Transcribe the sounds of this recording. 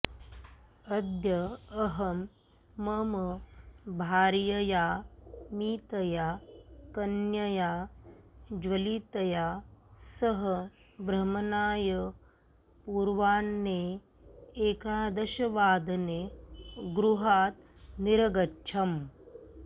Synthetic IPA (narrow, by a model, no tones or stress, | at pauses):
ɐd̪jɐɐɦɐmː | ɐmɐbʱaːɾjɐjaːmiːt̪ɐjaːkɐnjɐjaː | d͡ʒʋɐliːt̪ɐjaːsɐɦɐ | bɾɐmɐnaːjɐ | puːɾʋaːnːe | eːkaːd̪ɐʃɐʋaːd̪ɐneːɡɾuɦaːt̪ | niɾɐɡɐtːt͡ʃʰɐm